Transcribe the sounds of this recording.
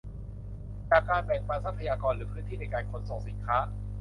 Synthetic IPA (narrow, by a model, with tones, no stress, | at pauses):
t͡ɕaː˨˩kːaː˧nbɛ˨˩ŋpaː˧nsa˦˥pʰːa˧jaː˧kɔː˧nɾɯː˩˦pʰɯ˦˥nt̪ʰiː˥˩na˧jkaː˧nkʰo˦˥nso˨˩ŋ̚si˩˦nkʰaː˦˥